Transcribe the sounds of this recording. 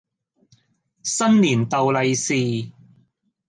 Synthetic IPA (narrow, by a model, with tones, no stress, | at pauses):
sɐ˥nliː˨˩nt̪ɐ˨wlɐ˨˧jsiː˨˧